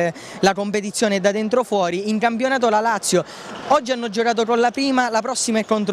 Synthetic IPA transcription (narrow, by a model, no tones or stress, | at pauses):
lakompet̪it̪sːjoːned̪ad̪ent̪ɾofwɔːɾiiŋkampjonaːt̪̬olalat̪sːjo | ɔd͡ʒːianːɔd͡ʒːokaːt̪okonlapɾiːmalapɾɔsːimaɛkːont̪ɾ